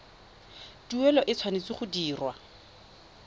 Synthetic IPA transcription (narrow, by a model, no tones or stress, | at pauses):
duɛlɔʔɪt͡sʰwanet͡siχʊdiːrwa